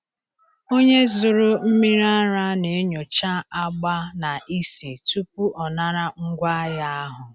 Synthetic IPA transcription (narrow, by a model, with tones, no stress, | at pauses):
o˦ɲe˦zʊ˨ɾʊ˦m̩˦mi˦ɾa˦ɾa˦ne˨˦ɲo˨t͡ʃa˦a˦ɡ͡ba˦na˨ʔi˦si˨tu˦pu˦ʔɔ˨na˦ɾa˦ŋ̩˦ɡʷa˦ja˦a˦ɦʊ˨